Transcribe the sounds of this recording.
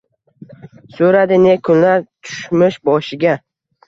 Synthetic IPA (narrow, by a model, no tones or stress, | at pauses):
soɾad̪ɪnekʰʊnlaɾt̪ʰʊ̥ʃmɪʃbɒʃɪɡʲa